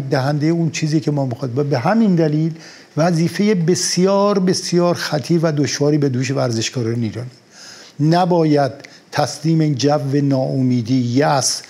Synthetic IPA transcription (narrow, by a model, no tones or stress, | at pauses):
d̪æɦænd̪ejeunt͡ʃʰiːziːcʰemɒːmixɒːbæbeɦæmind̪æliːl | væziːfe̞jebe̞sjɒːɾbesjɒːɾxæt̪ʰiːɾvæd̪oʃvɒːɾiːbed̪uːʃ̬evæɾze̞ʃɡɒːɾɒːneiːɾɒːni̥ | næbɒːjæd̪̚ | t̪ʰːæsliːmed͡ʒævːenɒːomiːd̪iːjæs